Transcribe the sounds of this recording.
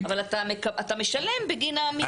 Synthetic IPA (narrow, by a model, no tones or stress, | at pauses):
avalat̪amekaʔat̪ameʃale̞mbeɡinaːmi